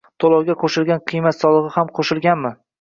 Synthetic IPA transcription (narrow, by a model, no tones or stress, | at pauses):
t̪ʰolˠɒwɡʲaqʰoʃɪlɡʲanqʰɨjmat̪sɒlˠɨʁɨhamqʰoʃɪlɡʲanmɪ